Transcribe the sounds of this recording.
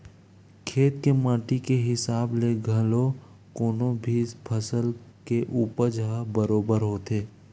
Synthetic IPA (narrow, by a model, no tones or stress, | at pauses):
kʰeːt̪kemãːʈikeɦɪsaːbleɡʱɐlo | koːnobʱiːzpʰəsəlkeʔuːpəɾd͡ʒʱaːbəɾoːbəɾɦoːt̪eː